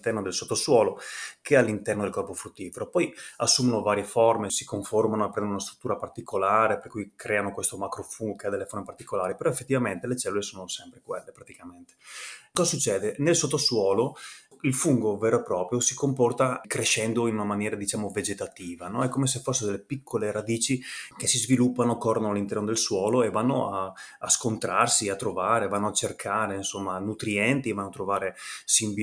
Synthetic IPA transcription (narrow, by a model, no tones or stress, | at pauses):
t̪ɛrnod̪elsot̪ːoswɔːlokealːint̪ɛrnod̪elkɔrpofɾut̪ːiːfeɾopɔjasːuːmonovaːɾjeformesi̥koɱformanoepɾɛnd̪onunast̪ɾu̥t̪ːuːɾapart̪ikʰolaːɾeperkujkɾʔɛːanokwest̪omakɾofuŋɡokead̪elːeformepart̪ikolaːɾipeɾɔefːet̪ːivament̪elet͡ʃɛlːulesoːnosɛmpɾekwelːepɾat̪ikament̪e̥kɔzasut͡ʃːɛːd̪enelsot̪ːoswɔːloilfuŋɡoveːɾoepːɾɔːpɾjosikompɔrt̪akɾeʃɛnd̪oinunamanjɛːɾad̪it͡ʃaːmoved͡ʒet̪at̪iːvanɔɛkːomesefosːed̪elːepikʰːoleɾad̪iːt͡ʃikesizvilupːanokɔrnalːint̪ɛrnod̪elswɔːloevːanːoaːskont̪ɾarsiat̪ːɾovaːɾevanːoat͡ʃerkʰaːɾeinsomːanut̪ɾiɛnt̪ivanːoat̪ːɾovaːɾesimb